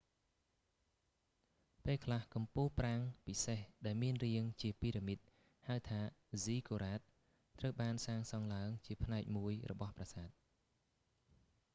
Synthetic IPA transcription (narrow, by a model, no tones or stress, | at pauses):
peːlkʰlahkɑmpuːhpraŋpisehɗaɛlmiənriəŋt͡ɕiəpiːɾimɨt̪̚ | haət̪ʰaːziːkoːɾaːt̪̚ː | rəwɓaːnsaːŋsɑŋlaəŋt͡ɕiəpʰnaɛk̚muəjrɔ̰ɓɑhprasaːt̪̚